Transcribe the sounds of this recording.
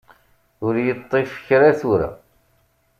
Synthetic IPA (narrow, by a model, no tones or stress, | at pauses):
ʊɾjət̪ˤːifə̥çɾæθuɾæ̰